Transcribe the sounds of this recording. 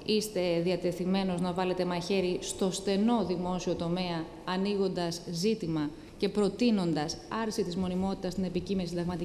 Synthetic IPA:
ist̪e̞ðiɐt̪e̞θime̞no̞znɐvɐle̞t̪e̞mɐçe̞ɾist̪o̞st̪e̞no̞ðimo̞sio̞t̪o̞me̞ɐː | niɣo̞nd̪ɐszit̪imɐ | ce̞pɾo̞t̪ino̞nd̪ɐsɐɾsit̪izmo̞nimo̞t̪i̥t̪ɐst̪ine̞picimensid̪ɐɣmɐt̪i

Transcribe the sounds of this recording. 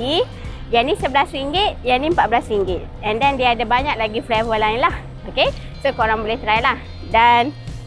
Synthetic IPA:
i | d͡ʒanĩsəbəlasɾiŋɡɪt̪̚janĩmpat̪̚bəlasɾiŋɡɪt̪̚ɛ̃ndɛndiaːdabaɲãk̚laɡiflevəlaɪnlah | oke | sokoɾaŋbolɛht̪ɾailah | dan

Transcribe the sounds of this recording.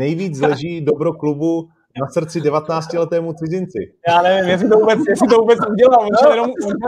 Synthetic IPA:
nɛjviːt͡slɛʒiːdobɾoklubu | nasr̩t͡sɪdɛvat̪ɛnaːt͡scɪlɛt̪ɛːmut̪sɪzɪnt͡sɪ̰jaːnɛvɪmjɛs̬ɪt̪ovuːbɛt͡sjɛsɪt̪ovuːbɛt͡suɟɛlalvoɛjɛnomu

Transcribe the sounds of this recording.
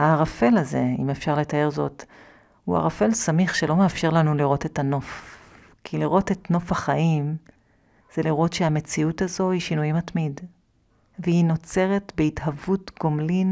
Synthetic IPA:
aʁafe̞laze̞ḭmefʃaʁle̞tae̞ʁzo̞t | hua̰ʁafe̞lsamiχʃe̞lo̞meafʃe̞ʁlanuliʁo̞te̞tano̞f | kʰiliʁo̞te̞tno̞faχaʔim | z̥e̞liʁo̞tʃeame̞t͡siutazo̞hiʃinujimatmid | vehino̞t͡se̞ʁetbeithavutɡo̞mlin

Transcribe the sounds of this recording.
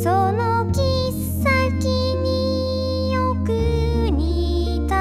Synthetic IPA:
sono | kʲi | sakʲi | ɲi | jokɯ | ɲi | t̪a

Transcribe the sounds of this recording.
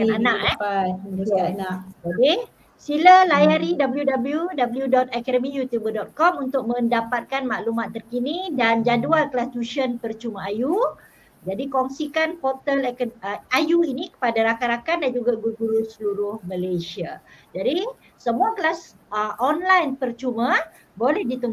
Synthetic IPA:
kananakɛ | nad͡ʒadi | siləlajaɾidabəljudabəljudabəljudɔt̪̚akadəmijut̪jubədɔt̪̚kɔmunt̪ʊk̚mə̃ndapat̪̚kanmaʔlumat̪ːərkinidand͡ʒaduankəlast̪uʃənpərt͡ʃumaaju | d͡ʒadikɔŋsikanpɔt̪əlajuinĩkə̥padaɾakaɾakandand͡ʒuɡaɡuɡuɾusəluɾʊhməlajsiad͡ʒadi | səmuakəlas | əʔɔnlajnpərt͡ʃumã | bolɛhdit̪uŋ

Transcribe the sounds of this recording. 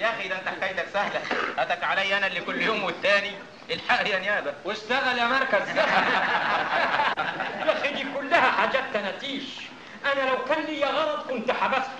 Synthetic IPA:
jæʔxiːd̪ant̪aħkajt̪aksahlæʔæt̪ækʕalæjːʔanælːikʊlːjoːmwɪθːaːni | ʔɪlħaʔjænjaːbæwɪʃt̪aɣaljamɑɾˤkaz | jaxid̪iːkʊlːahæħaːd͡ʒaːt̪ːanæt̪iːʃ | ʔanælawkæːnliːjaɣɑɾˤɑd̪ˤkʊnt̪ħabast̪

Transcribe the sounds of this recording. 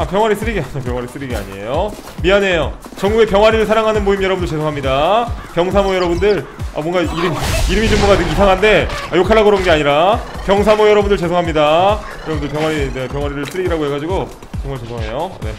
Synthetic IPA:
apjʌŋwaɾis͈ɯɾiɡiaɲapjʌŋwaɾis͈ɯɾiɡia̰ɲie̞̰jo | mianejo | t͡ɕʌŋɡuɡe̞pjʌŋwaɾiɾɯɭsʰaɾaŋɦanɯnmoimjʌɾʌbɯndɯɭt͡ɕe̞sʰoɦamɲidapjʌŋsʰamojʌɾʌbundɯɭa̰mʌŋɡaiɾɯmiɾɯmid͡ʑomːʌŋɡatɯisʰaŋɦande̞ajokʰaɭːaɡɯɾonɡe̞aɲiɾapjʌŋsʰamojʌɾʌbundɯɭt͡ɕe̞sʰoŋɦamɲida | jʌɾʌbundɯɭp̬jʌŋwaɾine̞pjʌŋwaɾiɾɯɭs͈ɯɾiɡiɾaɡoɦe̞ɡad͡ʑiɡo | t͡ɕʌŋmaɭt͡ɕesʰoɦe̞̰jone̞̰

